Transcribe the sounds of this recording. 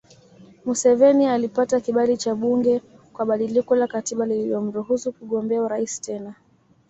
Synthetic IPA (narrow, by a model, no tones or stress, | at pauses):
musɛvɛnialipatakiɓalit͡ʃaɓuŋɡɛ | kwaɓaɗilikɔlakatiɓalililɔm̩ɾuhusukuɠɔmbɛauɾaisi̥tɛna